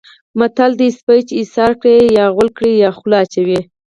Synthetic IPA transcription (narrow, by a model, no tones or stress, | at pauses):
mat̪ald̪əispajt͡ʃisɑɾkɽejɑɣʊlkɽijɑxlɑt͡ʃawi